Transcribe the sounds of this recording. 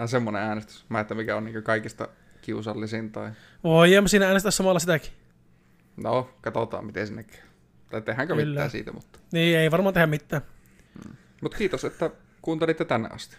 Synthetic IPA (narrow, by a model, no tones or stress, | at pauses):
nɑsemːoneæːnest̪y̥smæˑet̪ːæmikæoniːŋkøkɑikist̪ɑ̰ | kiusɑlːisint̪ɑi | ʋoijɑmːɑsiːnææːnest̪æsɑmɑlːɑsit̪æki̥ | nokɑt̪ot̪ɑ̰ːmmit̪ḛsinːekːæ̥ː | t̪ɑˑit̪ehˑæŋkømlːæ̰ːsḭːt̪æ̰mut̪ːɑ̥niːeiʋɑrmɑːnehæmit̪ːæː | mut̪kiːt̪oset̪ːæ | kuːnt̪elit̪ːet̪ænːḛʔɑ̰st̪i̥